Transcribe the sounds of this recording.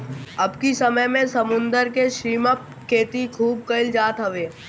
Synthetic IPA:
ɐbkisɐməjmẽsɐmʊ̃nd̪əɾkeʃɾiːməp̚ | kʰːeːt̪ikʰuːb̚kɐɪld͡ʒaːt̪ɦɐʋeː

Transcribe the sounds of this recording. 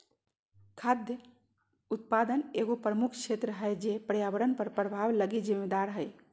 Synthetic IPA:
kʰad̪jə | ut̪̚pad̪əneɡopɾəmukʰt͡ʃʰet̪ɾəɦəjd͡ʒepəɾjaʋəɾənpəɾpɾəbʱaʋləɡid͡ʒimed̪aɾɦəj

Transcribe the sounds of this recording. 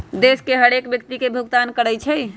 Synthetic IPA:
d̪eskeɦəɽekbjək̚t̪ikebʱuɡt̪ankəɽəjt͡ʃʰəj

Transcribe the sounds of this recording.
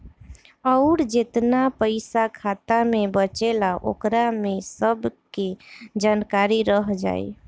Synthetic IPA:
əʊɾd͡ʒet̪napəɪsakʰat̪amebət͡ʃelaʔo̰kɾamesəbked͡ʒankaɾiɾəɦd͡ʒa̰ːj

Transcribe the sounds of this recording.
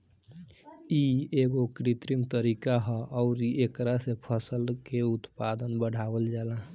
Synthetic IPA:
ieɡokɾit̪ɾimt̪əɾiːkaɦəʔɔʊɾiekɾasepʰəsəlkeʊt̪pad̪ənbəɽ̤ʱawəld͡ʒaːla

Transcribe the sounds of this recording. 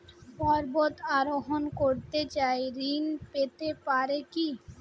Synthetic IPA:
pɔɾbot̪aɾoɦonkoɾt̪et͡ɕaeɾinpet̪epaɾeki

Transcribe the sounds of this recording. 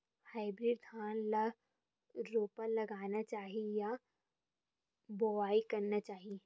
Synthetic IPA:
haːɪbɾiːɖd̪aːnla | ɾoːpəɾlɐɡaːnat͡ʃaːɦieja | boʋaːikɐɾnat͡ʃaːɦie

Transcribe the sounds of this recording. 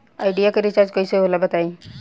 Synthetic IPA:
ajɖijakəɾit͡ʃaɾd͡ʒkojseɦolabət̪aĩ

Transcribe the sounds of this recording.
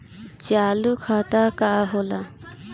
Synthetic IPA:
t͡ʃaːlukʰaːt̪aːkaːɦoːla

